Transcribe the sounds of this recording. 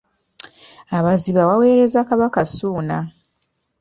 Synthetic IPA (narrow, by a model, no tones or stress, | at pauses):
aβaziβawawe̞ːɾe̞zakaβakasuːna